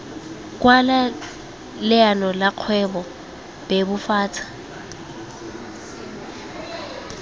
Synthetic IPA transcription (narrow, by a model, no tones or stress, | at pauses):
kʼwala | lɪanɔlaq͡χʰwɛbɔ | b̥ebʊfaːt͡sʰḁ